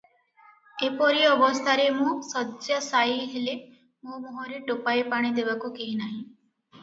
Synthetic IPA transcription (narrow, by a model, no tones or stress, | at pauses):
epɔɾiɔbɔst̪ʰaɾemusɔsjəsaiɦele | momɔɦoɾiʈopaipaɽ̃id̪eʋakukeɦinaɦĩ